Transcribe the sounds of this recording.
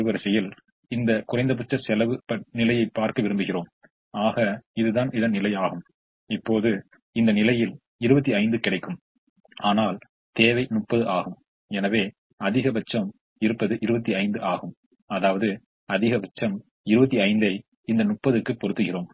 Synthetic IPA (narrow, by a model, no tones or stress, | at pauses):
ɯʋɐɾɐsɐjɪl | ɪnd̪ɐkʊrɐɪnd̪ɐp̬ʊt͡ʃːɐsɛlɐʋɯɐnɪlɐjɐɪpːaːɾkɐʋɪɾɯmbɯɣɪroːm | aːɣɐɪðɯðaːnɪðɐnnɪlɐɪaːɣɯm | ɪpːoːðɯ | ɪnd̪ɐnɪlɐjɪl | ɪɾɯbɐt̪ːiɐɪnd̪ɯkɪɽɐɪkːɯm | aːnaːl | t̪eːʋɐɪnʊʈ̚pːɐðɯʔaːɣɯm | ɛnɐʋeː | ɐðɪɣɐbɐt͡ʃːɐm | ɪɾɯpːɐðɯʔɪɾɯbɐt̪ːiɐɪnd̪ɯʔaːɣɯm | ɐðaːʋɐðɯ | ɐðɪɣɐbɐt͡ʃːɐm | ɪɾɯbɐt̪̬ːiɐɪnd̪ɐɪ | ɪnd̪ɐnʊʈ̚pːɐðɯkːɯpːɔɾɯt̪ːɯɣɪroːm